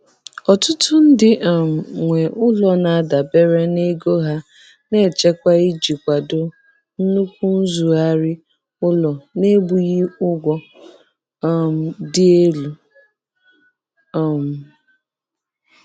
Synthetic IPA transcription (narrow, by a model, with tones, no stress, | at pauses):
ɔ˨tʊ˦tʊ˦n̩˦dɪ˨m˨ŋʷe˨ʔʊ˦lɔ˨na˨˦da˨be˦ɾe˦ne˦ɡo˦ɦa˦ | ne˦˨t͡ʃe˦kʷa˦i˦d͡ʒi˨kʷa˨dʊ˨ | n̩˦nu˦kʷu˦n̩˦zu˨a˦ɾɪ˦ | ʊ˦lɔ˨ne˦bu˨ɣi˦ʊ˦ɡʷɔ˦˨ | m̩˨dɪ˦e˦lu˨ | m̩˨